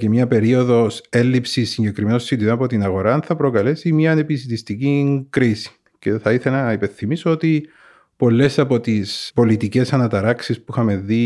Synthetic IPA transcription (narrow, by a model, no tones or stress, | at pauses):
cemɲɐpe̞ɾio̞ðo̞se̞lːipsisːiɲɟe̞kɾimenosːid̪iðonɐpo̞t̪inɐɣo̞ɾɐnθɐpɾo̞kɐle̞simɲɐːnepisit̪ist̪iciŋkɾisi̥ | ce̞θɐiθelɐnɐipenθimisoot̪i | po̞lːe̞sɐpo̞t̪ispo̞lit̪ice̞sɐnɐt̪ɐɾɐksispuxɐme̞ði